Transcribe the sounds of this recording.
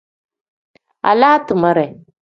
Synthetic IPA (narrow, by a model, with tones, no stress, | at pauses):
a̰˨la˦tɨ˨ma˦ɾɛ˨